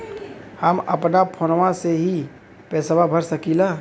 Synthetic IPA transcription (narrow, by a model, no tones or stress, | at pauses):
həmɐpnapʰonwãseɦi | pɛːsʋabʱəɾsəkiːlaː